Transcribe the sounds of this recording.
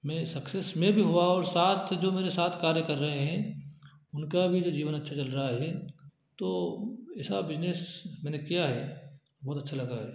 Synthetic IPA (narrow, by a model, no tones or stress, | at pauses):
mɛ̃ːsɐksesmẽbʱiɦʊaɔːɾsaːt̪ʰd͡ʒoːmeːɾesaːt̪ʰkaːɾjəkɐɾːɐɦeɦɛ̃ | ʊnkabʱid͡ʒoːd͡ʒiːʋənɐtːʃʰat͡ʃɐlɾɐɦaɦɛ | t̪oːɪsabɪd͡ʒneːsmɛ̃ːnẽkijaɦɛː | bɔːt̪ɐtːʃʰalɐɡaɦɛ̰ː